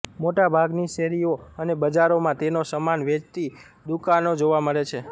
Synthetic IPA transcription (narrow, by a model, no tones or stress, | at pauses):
moʈabʱaɡniʃɛɾioənebəd͡ʒaɾomãt̪enosəmanʋet͡ʃt̪i | d̪ukanod͡ʒoʋaməɾet͡ʃʰe